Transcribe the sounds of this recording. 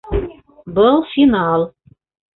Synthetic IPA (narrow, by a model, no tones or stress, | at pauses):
bɤlˠfinɑlˠ